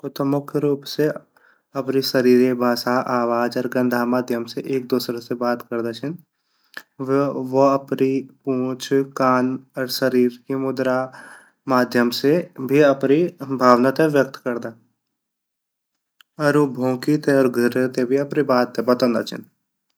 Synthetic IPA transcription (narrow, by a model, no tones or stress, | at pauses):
ʊt̪əmʊkʰjɾuːpse | ɐpniʃəɾiːɾebʱaːʃaʔaːʋaːd͡ʒɔːɾɡə̃nd̪ʱamaːd̪ʱjəmseʔeːk̚d̪uːsɾesebaːt̪kəɾd̪at͡ʃʰən | ʋoɐpnipũːt͡ʃʰkaːnɔːɾsəɾiːɾkimʊd̪ɾa | maːd̪ʱjəmsebʱiɐpnibʱaːʋnat̪eʋjək̚t̪kəɾd̪aː | ɔɾũbʱõːkit̪eɔːɾɡʱəɾet̪ebʱiɐpnibaːt̪ːebɐt̪ə̃nd̪a̰ːt͡ʃʰə̰n